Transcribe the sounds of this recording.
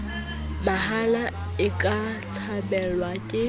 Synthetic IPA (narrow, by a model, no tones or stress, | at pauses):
bahala | ɪkʼa | t͡sʰabɛlwakʼɪ